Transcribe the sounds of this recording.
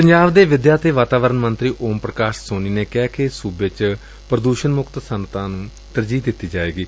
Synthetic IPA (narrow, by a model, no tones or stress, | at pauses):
pəɲd͡ʒaːʋd̪eːʋɪd̪jaːt̪eːʋaːt̪aːʋəɾənmənt̪ɾiːʔoːmpɾəkaːʃsoːniːneːkɛːkesuːbet͡ʃ | pɾəd̪uːʃənmʊkt̪sənt̪ãːnũː | t̪əɾd͡ʒiːd̪ɪt̪ːiːd͡ʒaːeːɡiː